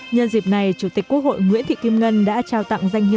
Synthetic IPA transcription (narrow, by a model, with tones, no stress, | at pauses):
ɲə˧nzi˨˩p̚na˨˩jt͡ɕu˧˩t̪i˨˩kku˦˥ək̚ho̰˧˨jŋwḭ˧˥ənt̪i˧˨ki˧mŋə˧nɗa̰ː˧˥t͡ɕaː˧˩wt̪a̰˧˨ŋza˧jŋhi˧˨